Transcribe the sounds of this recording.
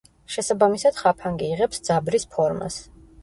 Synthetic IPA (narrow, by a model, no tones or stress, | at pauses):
ʃɛsabamisad̪̥χapʰaŋɡiːʁɛpsd̪z̥abɾispʰɔɾma̰s